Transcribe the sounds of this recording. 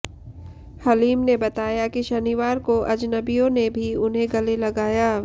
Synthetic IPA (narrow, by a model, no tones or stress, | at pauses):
hɐliːmnebɐt̪aːjakiʃɐniʋaːɾkoʔɐd͡ʒnəbijõnebʱiʊnɦẽɡɐlelɐɡaːjaː